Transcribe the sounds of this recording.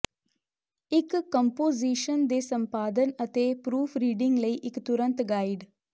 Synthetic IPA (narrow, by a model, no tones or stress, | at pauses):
ɪkːɐmpoːziːʃənd̪eːsɐ̃mpaːd̪ənɐt̪epɾuːfʰɾiːɖɪŋɡləiʔɪkt̪ʊɾə̃nt̪ɡaːɪɖ